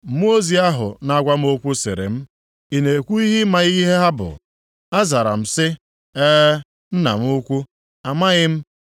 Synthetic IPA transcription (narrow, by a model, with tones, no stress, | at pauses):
m˦o˦zi˦a˦ɦʊ̰˨na˦ɡʷa˦m̩˦o˦kʷu˦sḛ˨ɾḛ˨m̩˦ | i˨ne˨kʷu˦i˦ɦi˦ma˦ɣi˦ɦe˦ɦa˦bʊ̰˨ | a˦za˨ɾa̰˨m̩˨sɪ˦ | eː˦ | n̩˦na̰˨m̩˦ʊ˦kʷu˦ | a˨ma˦ɣɪ˦m̩˦